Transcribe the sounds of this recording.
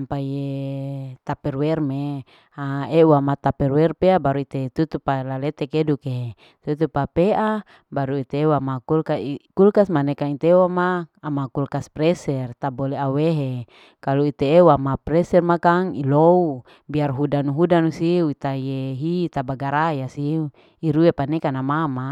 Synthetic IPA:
ampaje | t̪apɛrwɛrme | aeuamat̪apɛrwɛrpeabaɾuit̪et̪ut̪upalalet̪ekeduke | t̪ut̪upapeʔa | baɾuit̪eːwamakulkaikulkasmanɛkait̪ewamaːmakulkaspɾɛsɛrt̪aboleaweɦe | kaluit̪eːwamapɾɛsɛrmakaŋilou | biarɦudanuɦudanusiuit̪ajeɦit̪abaɡaɾajasi | iɾuepanekanamama

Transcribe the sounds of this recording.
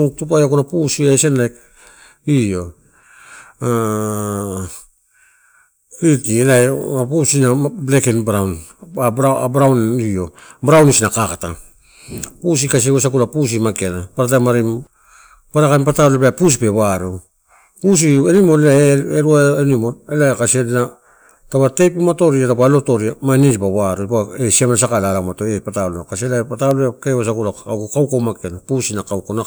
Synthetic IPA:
tup̬ajokunapusiajsenlajk | io̞ | a | kɾitielajapusinablekenbɾawnaɾabɾawnio̞̰bɾawnisinakakata̰ | pus̬ikas̬iewesakulapus̬imakenapaɾatajmaɾim | paɾakaimpatalelapus̬ipe̞βaɾu | pus̬ienimoelaeɾuaenimoelaekaseɾina | tabatejpimato̞ɾiatapalo̞to̞ɾiamanisipaβaɾupaesiamnasakalalamatoepatalkaselapataleakewos̬akulaakukawkomakenapusinakawkona

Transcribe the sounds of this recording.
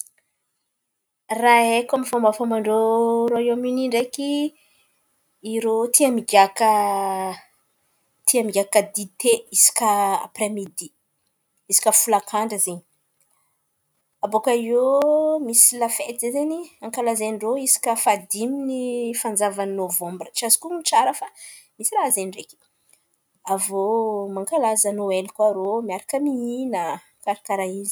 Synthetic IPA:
raekamifamafamaɳɖ͡ʐoɾoeaminiɳɖ͡ʐeki | iɾot̪ʰiamiɡakə | t̪ʰiamiɡʲakad̪it̪eisi̥kaa̰pɾemid̪i | isi̥kʲəfulakʰaɳɖ͡ʐəzeɲi | abokajomisilafet̪zezeniaŋkalazenɖ͡ʐoisi̥kʲəfad̪iminifand͡zavannovɔ̃mbrət͡ʃiazi̥kumit͡ʃaɾəfa | misiraazenirekʲi̥ | avomaŋkalazanoelikuaɾomiaɾakəmiinə | kaɾakaɾaizi̥

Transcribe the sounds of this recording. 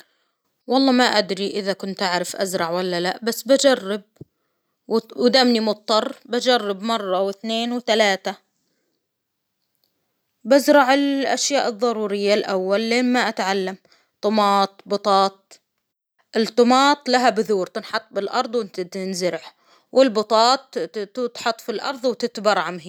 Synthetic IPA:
wɑlˤːɑːmaʔad̪ɾiʔɪðakʊnt̪ʔaʕɾɪfʔazɾˤɑʕwalːalaʔbasːbad͡ʒarˤːɪb̚ | wwd̪amnimʊt̪ˤːɑrˤːbad͡ʒarˤːɪbmɑrˤːɑwɪθneːnwt̪alaːt̪a | bazɾˤɑʕɪlʔa̰ʃjaːʔɨðˤːɑɾuːɾɪjːalʔawːalːeːnmaʔat̪ʕalːam | t̪ˤʊmɑːt̪̚ˤbɨt̪ˤɑːt̪̚ | ʔɪlt̪ˤːʊmɑːt̪ˤlaɦabɪðuːɾt̪ɪnħɑt̪ˤːbɪlʔɑɾˤd̪ˤwɪnt̪at̪ɪnzɪɾɪħ | wʔɪlbʊt̪ˤɑːt̪̚ɪt̪ħɑt̪ˤːfilʔɑ̰ɾˤðˤwt̪ɪt̪bɑɾˤʕamɦi

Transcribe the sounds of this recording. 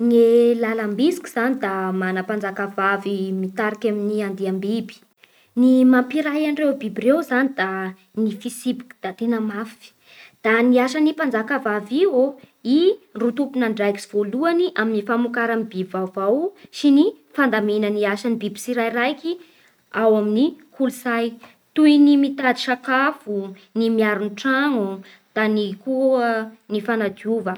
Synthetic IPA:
ŋelalambisi̥kʲu̥z̥anid̪amanəpand͡zakavavimit̪aɾikaminiand̪iambibi̥ | nimampiɾajaɳrewbibirewzanid̪a | nifisibi̥ki̥d̪̥at̪enəmafi̥ | d̪̥aniaʃanipand͡zakavavio | irut̪upunaɳɖ͡ʐajki̥siv̥oluaniʔaminifamukaɾamibivavawsini | fand̪amenəniaʃanibibi̥siɾajrajki | awaminikʰuluzaj | t̪ujnimit̪ad̪i̥ʃakafu | nimiaɾunʈ͡ʂaŋu | d̪̥anikuənifanad̪iuvə

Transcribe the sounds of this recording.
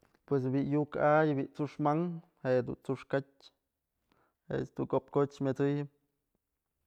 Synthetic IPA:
pwes̬biʔjukajbiʔt͡suʂmaŋ | hejd̪ṵnt͡suʂkatʲ | est̪ukop̚kot͡ʃmet͡sɨjɨp̚

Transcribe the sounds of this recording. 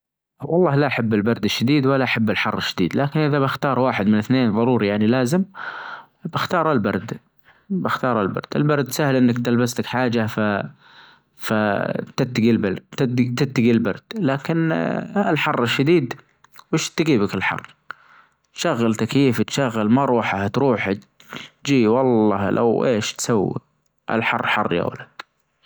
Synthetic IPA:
wɑlˤːɑːhlaʔaħabːɪlbɑɾˤd̪ɪʃːad̪iːd̪walːaʔaħabːɪlħɑrˤːɪʃːad̪ḭːd̪laːkɪnʔɪðabɪxt̪ɑːɾˤwaːħɪd̪mɪnɪθneːnðˤɑɾˤuːɾijaʕnilaːzɪm | bɪxt̪ɑːɾˤalbɑ̰ɾˤd̪ | bɪxt̪ɑːɾˤalbɑ̰ɾˤd̪̥ɪ̰lbɑɾˤd̪sahɪlʔɪnːakt̪ɪlbaslakħaːd͡ʒafa | fat̪ɪt̪ːaɡilbat̪ɪt̪ːaɡilbɑɾˤd̪̥laːkɪnɪlħɑrˤːɪʃːad̪iːd̪ | wɪʃt̪ɡiːbɪkɪlħɑ̰rːˤ | t̪ʃaɣːalt̪akjiːft̪ʃaɣːalmaɾˤuːħaht̪ɾuːħa | d͡ʒiːwɑlˤːɑːlʔa̰wʔeːʃt̪sawːḭ | ʔa̰lħɑrˤːħɑrˤːja̰wa̰lad̪̥

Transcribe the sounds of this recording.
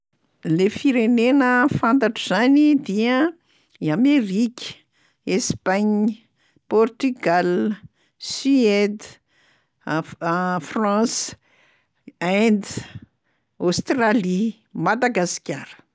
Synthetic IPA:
lefiɾenenəfant̪aʈ͡ʂuz̥anid̪iə | amerikʲə̥ | espaɲə | pɔrt̪yɡal | syed̪ | frɑ̃s | and̪ | ost̪rali | mad̪aɡaskʲaɾə̥

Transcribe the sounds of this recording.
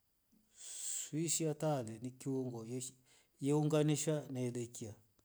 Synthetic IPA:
swiʃiatalɛnikiuŋɡɔ | jɛuŋɡaniʃanaɛlɛkia

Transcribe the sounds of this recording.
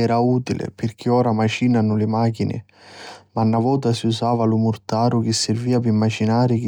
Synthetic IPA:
ɛːɾauːt̪ilʔɪ̰pɪrk̟ʰiɔːɾamat͡ʃinanʊlɪmaːk̬inɪ̰ | manːavɔːt̪̬asiusaːvalʊmʊrt̪aːɾʊk̟ɪsːɪrviːapimːat͡ʃinaːɾɪk

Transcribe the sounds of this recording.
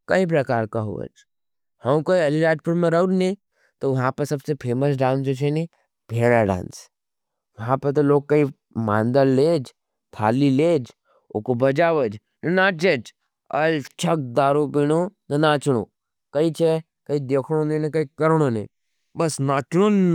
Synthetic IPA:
kɐip̬ɾɐkaːɾkaɦṵʋə̰d͡ʒ | hɐmkoːiɐlilaːʈ̚puɽmẽɾɐnnẽ | t̪oʋɐɦãpɐɾsɐbsepʰeːməsɖãːnsd͡ʒot͡ʃʰeni | bʱeːɾaɖa̰ːns | ʋɐɦãpɐɾt̪ɐloːɡ̚kɐi | mã̰ːnd̪əlːeːd͡ʒ | t̪ʰa̰ːlileːd͡ʒ | o̰kobɐd͡ʒaːʋəd͡ʒ | nɐnaːd͡ʒet͡ʃ | ɐlt͡ʃʰɐk̚d̪aːɾupiɽ̃onɐnaːt͡ʃɽ̃õ̰ | kɐit͡ʃʰe | kɐid̪eːkʰɽ̃onẽnɐkɐikɐɾɽ̃onẽĩ | bɐsnaːt͡ʃɽ̃on

